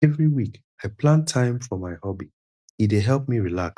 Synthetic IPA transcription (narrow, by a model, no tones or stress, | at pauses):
ɛvɹiwik | aɪpʰlãntʰãɪ̃mfɔmaɪhɔbi | it̚deɦɛlˠp̚miɹilak